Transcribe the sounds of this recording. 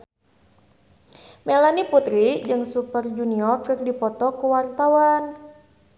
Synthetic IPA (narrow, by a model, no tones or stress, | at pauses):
melaniput̪ɾid͡ʒɨŋsupərd͡ʒuniɔrkɨrdipɔt̪ɔkuwart̪awan